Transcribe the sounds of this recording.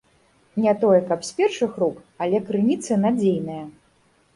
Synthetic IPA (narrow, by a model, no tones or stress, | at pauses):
nʲɛt̪ɔjɛkɐpsʲpʲɛrʂɨxɾuk | alʲɛkɾɨnʲit̪sɨnad͡zʲejnɐjɐ